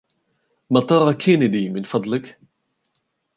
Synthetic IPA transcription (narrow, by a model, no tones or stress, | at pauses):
mɑt̪ˤɑɾˤɑkʰenəd̪imɪnfɑd̪ˤlək